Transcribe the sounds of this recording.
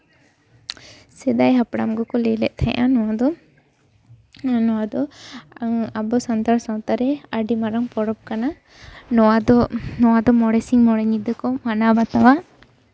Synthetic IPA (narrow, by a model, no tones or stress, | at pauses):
sɛd̪ajɦapɽa̰mɡɔkɔlɛlɛ̰ʔ̚ˀt̪ʰajʔanɔwad̪ɔ | nɔwad̪ɔ | abɔsant̪aɾsawt̪aɾɛaɖimaɾaŋpɔɽɔp̚kana | nɔwad̪ɔnɔwad̪ɔmɔɽɛsiŋmɔɽɛɲid̪əkɔmanabat̪awa